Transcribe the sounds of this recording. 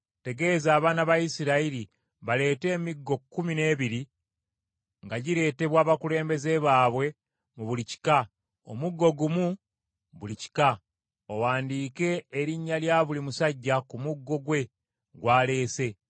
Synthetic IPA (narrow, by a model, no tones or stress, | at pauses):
te̞ɡe̞ːzaːβaːnaβajisiɾaiɾi | βale̞ːte̞ːmiɡːo̞kːumine̞ːβiɾi | ŋɡaɟiɾe̞ːte̞βwaːβakule̞ːmbe̞ze̞βaːβwe̞ | muβulici̥ka | o̰muɡːo̞ɡumu | βulici̥ka | owaːndiːke̞ːɾiɲːaljaːβulimusaɟːakumuɡːo̞ɡwe̞ | ɡwaːle̞ːse̞